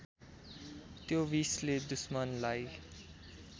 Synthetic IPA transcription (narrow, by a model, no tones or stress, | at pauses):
t̪jobisled̪usmʌnlaj